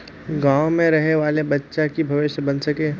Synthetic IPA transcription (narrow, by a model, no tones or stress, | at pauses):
ɡãːwmẽɾɐɦeʋaːlebɐtːʃakibʱɐʋɪʃjəbɐnsɐkeː